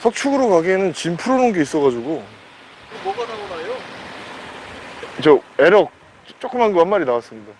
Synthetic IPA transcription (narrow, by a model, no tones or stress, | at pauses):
sʰʌk̚t͡ɕʰuɡɯɾokaɡenɯnt͡ɕimpʰɯɾonɯnɡe̞is͈ʌɣad͡ʑuɡo | moɡadaɡʌnajo | it͡ɕʌeɾʌk̚ | t͡ɕ͈ok͈ɯmanɡɯmɦanmaɾinawas͈ɯmɲida